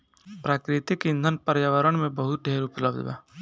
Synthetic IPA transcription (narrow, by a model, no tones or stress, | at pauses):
pɾaːkɾɪt̪ikɪ̃nd̪ʱənpəɾjaʋəɾəɽmẽbəɦʊt̪̚ɖʱeːɾʊpləbd̪ʋa̰ː